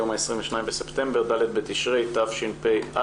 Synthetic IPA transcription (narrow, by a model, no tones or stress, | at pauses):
omaesʁimveʃnajimbesept̪e̞mbeʁd̪alet̪bet̪iʃʁejt̪afʃinpejʔa